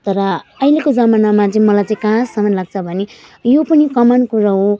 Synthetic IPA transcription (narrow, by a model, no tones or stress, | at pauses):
t̪ʌɾʌʌilekod͡zʌmanamat͡sʌĩmʌlajt͡saĩkãsʌmʌnlaɡ̚t͡sʰʌbʱʌne | jopʌnikʌmʌnkuɾaɦo